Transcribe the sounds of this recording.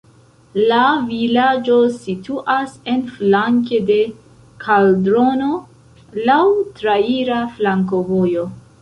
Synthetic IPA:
lavilad͡ʒo̞situʔase̞nflaŋke̞de̞ | kʰaldɾo̞no̞ | lawtɾaiɾaflaŋko̞vo̞jo̞

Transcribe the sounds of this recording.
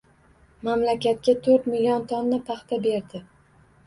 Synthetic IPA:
mamlakʲat̪̚kʲat̪ʰɵɾt̪milijɒnt̪ʰɒnːɪpʰɑχt̪ʰabe̞ɾd̪ɪ

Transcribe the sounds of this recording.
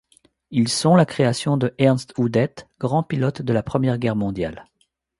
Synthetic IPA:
ilsɔ̃lakχeasjɔ̃d̪əʔɛʁnst̪ud̪ɛt̪ɡ̥ʁɑ̃pilɔt̪d̪əlapχəmjɛʁɡʲɛʁmɔ̃d̪ja̰l

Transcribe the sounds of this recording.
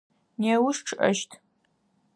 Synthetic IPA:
neːwʊʂʈ͡ʂʰɨʔɐ̰ʃtʰ

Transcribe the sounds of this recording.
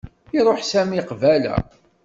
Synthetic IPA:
iɾˤoħsæmiqvælæ̰

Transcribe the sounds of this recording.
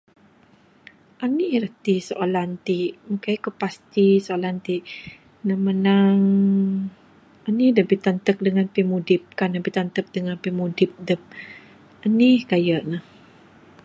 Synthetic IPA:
ʔaniʔɾət̪isoʔolant̪iʔməkajkəpast̪isoolant̪iʔ | namənaŋ | anidəbit̪ant̪ək̚dəŋanpimudɪp̚kanabit̪ant̪ək̚dəŋanpimudɪp̚dəp̚ | anihkajəʔnəh

